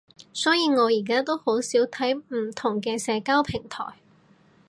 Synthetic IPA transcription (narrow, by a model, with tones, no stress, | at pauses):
sɔː˨˥jiː˧ŋɔː˨˧jiː˨˩kaː˥t̪o˥who˨˥wsiː˨˥wt̪ʰɐ˨˥jm̩˨˩t̪ʰʊ˨˩ŋkɛː˧sɛː˨˧kaː˥wpʰɪ˨˩ŋt̪ʰɔ̰ː˨˩j